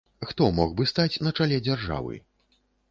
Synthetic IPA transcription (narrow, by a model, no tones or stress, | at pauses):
xt̪ɔmɔɣbɨst̪at͡sʲnɐt͡ʂalʲɛd͡zʲarʐa̰vɨ̰